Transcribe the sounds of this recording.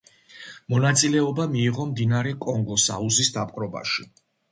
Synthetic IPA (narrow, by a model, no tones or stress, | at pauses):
mɔnat̪sʼilɛɔbamiːʁɔmd̪inaɾɛkʼɔŋɡɔsa̰uzisd̪apʼqʼɾɔba̰ʃi